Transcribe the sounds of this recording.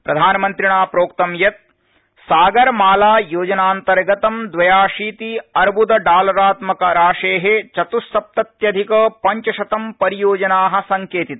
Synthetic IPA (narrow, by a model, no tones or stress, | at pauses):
pɾɐd̪ʱaːnɐmɐnt̪ɾiɳaːpɾoːkt̪ɐmjɐt̪̚ | saːɡɐɾmaːlaːjoːd͡ʒɐnaːnt̪ɐɾɡɐt̪ɐmd̪ʋɐjaːʂiːt̪iɐɾbud̪ɐɖaːlɐɾaːt̪mɐkɐɾaːʂeːɦet͡ʃɐt̪usːɐp̚t̪ɐt̪jɐd̪ʱikɐpɐɲt͡ʃɐʃɐt̪ɐmpɐɾijoːd͡ʒɐnaːɦɐ̆sɐŋkeːt̪it̪̚